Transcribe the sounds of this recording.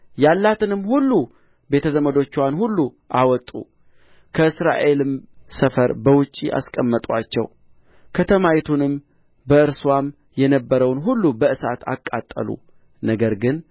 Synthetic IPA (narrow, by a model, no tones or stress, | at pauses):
jalːat̪ʰɨnɨmhulːu | be̞t̪ʰəzəməd̪o̞t͡ʃːwanhulːu | ʔawɔt̪ʼːṵ | kʰəɨsɾa̰ʔe̞lɨmsəfəɾbəwʊt͡ʃʼːḭʔa̰skʼəmːət̪ʼwa̰t͡ʃːɛ̰w | kʰət̪ʰəmajit̪ʰunɨm | bəɨɾswam | jɛnəbːəɾəwnɦulːubəʔɨsat̪ʰa̰kʼːa̰t̪ʼːə̰lṵ | nəɡəɾɡɨn